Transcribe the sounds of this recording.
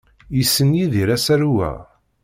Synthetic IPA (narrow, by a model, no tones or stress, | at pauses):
jisːənjiðiɾæsæɾuwæ̰